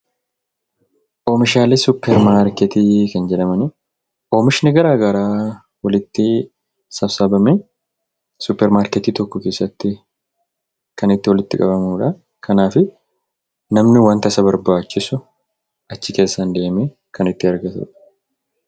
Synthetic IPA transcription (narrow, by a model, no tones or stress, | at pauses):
ʔo̞ːmɪʃaːlesʊpːɛɾmaːɾkɛt̪iːkɐnd͡ʒɛᶑɐmɐnɪ | ʔo̞ːmɪʃɪnɪɡɐɾaːɡɐɾaː | wɐlɪt̪ːɪ | sɐfsɐbɐmɛ | sʊpːɛɾmaːɾkɛt̪iːt̪ɔkːɔke̞ːsːɐt̪ːɪ | kɐnɪt̪ːɪwɐlɪt̪ːɪkʼɐbɐmuːᶑɐ | kʰɐnaːfɪ | nɐmnɪwɐnt̪ɐsɐbɐɾbaːt͡ʃːɪsʊ | ʔɐt͡ʃːɪke̞ːsːand̪e̞ːme | kʰɐnɪt̪ːɪɐɾɡɐt̪ṵːᶑɐ̥